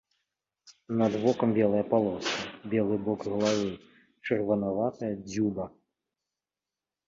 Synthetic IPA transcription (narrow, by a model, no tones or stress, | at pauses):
nɐd̪vɔkɐmbʲɛlˠɐjɐpalˠɔsɐbʲɛlˠɨbɔkɣɐlˠavɨ | t͡ʂɐrvɐnavat̪ɐjɐd͡zʲubɐ